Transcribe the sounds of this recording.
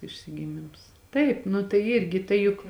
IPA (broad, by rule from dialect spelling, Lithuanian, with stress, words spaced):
ɪʃʲsʲɪɡʲɪˈmʲɪms ˈtɐɪp nʊ tɐɪ ˈɪrʲɡʲɪ ˈtɐɪ jʊk